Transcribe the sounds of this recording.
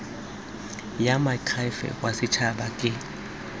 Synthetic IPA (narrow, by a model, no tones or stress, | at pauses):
jamakʰajfɛ̰wasɪt͡ʃʰaɓakʼɪ